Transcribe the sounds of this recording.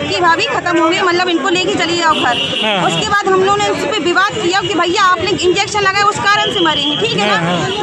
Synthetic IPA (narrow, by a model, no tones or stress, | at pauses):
kibʱaːbikʰɐt̪əmbʱumimɐt̪ləbɪnkoleːket͡ʃɐliɔkɐɾ | ʊskebaːd̪ɦɐmlonespeʋɪʋaːd̪kijakibʱɐijaːpneɪ̃nd͡ʒeːkʃənlɐɡaeʊskaːɾəñsemaɾiɛ̃ʈʰiːkɦɛnaː